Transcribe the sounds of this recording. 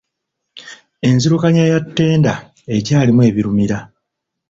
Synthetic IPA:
e̞nziɾukaɲajatːe̞ːnda | e̞caːlimwe̞ːβiɾumiɾa

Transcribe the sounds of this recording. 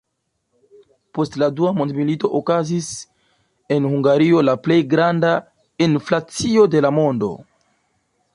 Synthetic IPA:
po̞stladuamondmilito̞ʔokazis | e̞nhuŋɡaɾio̞laple̞jɡɾanda | inflat͡sio̞de̞lamo̞ndo̞̰

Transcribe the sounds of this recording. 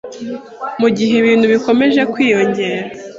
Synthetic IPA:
muɟiɦeβiːn̤̥uβiko̞me̞ʒe̞kwiːjo̞ɲɟe̞ːɾa

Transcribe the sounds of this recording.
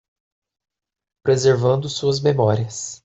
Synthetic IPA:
pɾezeɾvɐ̃nd̪ʊsuɐzmemɔɾiɐs

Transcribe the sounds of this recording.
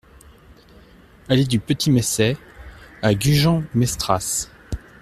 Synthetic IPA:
alɛd̪ypət̪ʰimɛsɛ | aɡʲyʒɑ̃mɛst̪χas

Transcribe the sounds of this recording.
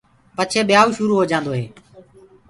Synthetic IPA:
pət͡ʃʰeːɓɪjaːuːʃʊɾuːɦoːd͡ʒãːnd̪oːɦeː

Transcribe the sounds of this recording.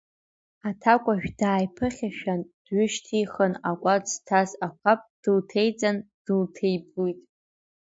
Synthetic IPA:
atʰakʷʼaʒᶣdaːjpʰɨχʲaʃᶣand̥ɥʏʃtʰiχənakʷʼad͡ztʰazakʷʰapʼd̥ɨltʰe̞jt͡sʼand̥ɨltʰe̞jblujtʼ

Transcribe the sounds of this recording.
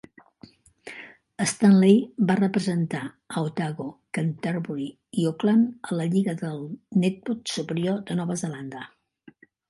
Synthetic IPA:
əst̪anlejbarəpɾəzənt̪a | əwt̪aɣokant̪aɾβuɾi | ioklanələʎiɣəðəlˠnɛt̪̚but̪supəɾiod̪ənɔβəzəland̪ə

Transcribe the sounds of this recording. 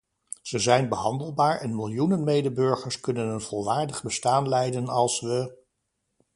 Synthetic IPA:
z̥əzɛjnbəɦɑndəlˠbaːɹɛnmɪlˠjunənmejdəbɵɹχəɹskɵnənənv̥olˠʋaːɹdəχbəstaːnlɛjdənɑlˠsʋə

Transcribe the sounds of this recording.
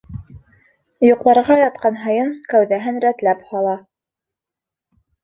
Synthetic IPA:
juqlˠɑɾʁɑjɑt̪̚qɑnɦɤ̆jɤɴkæwðæɦɘnɾæt̪læphɑlˠɑ

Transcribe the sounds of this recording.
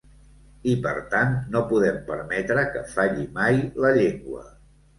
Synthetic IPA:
ipəɾt̪annopuðɛmpəɾmɛt̪ɾəkəfaʎimajləʎeŋɡwə̰

